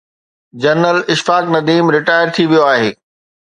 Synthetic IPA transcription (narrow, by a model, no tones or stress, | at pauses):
d͡ʑɐɾnəlɪʃfaːknɐd̪iːmɾɪʈaːɪəɾt̪ʰiʋijoaːɦeː